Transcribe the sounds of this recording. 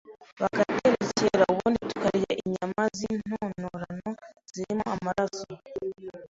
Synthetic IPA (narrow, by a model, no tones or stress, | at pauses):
βaɡateɾeziceɾauβuːnditu̥kaɾiaʔiɲamazin̥onoɾano̞z̥iɾimoamaɾaso